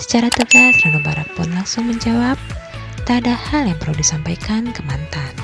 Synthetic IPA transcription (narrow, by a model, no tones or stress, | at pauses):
sə̥t͡ʃaɾat̪əɡasɾanubaɾa̰pʊnlaŋsʊŋməɲd͡ʒawap̚ | t̪adahaljaŋpəraudisampajkankəmant̪an